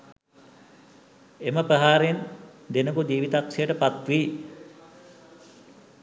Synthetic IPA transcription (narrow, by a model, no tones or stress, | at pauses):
eməpəɦaːɾend̪enəkud̪iːʋit̪akʂejəʈəpat̪ʋiː